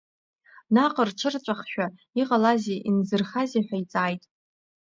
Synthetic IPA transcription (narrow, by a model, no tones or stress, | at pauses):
naqʼərʈ͡ʂʰɨrt͡ʃʷʼaχʃᶣa | iqʼalazeʔinzɨrχazeħʷᶣait͡sʼaːjtʼ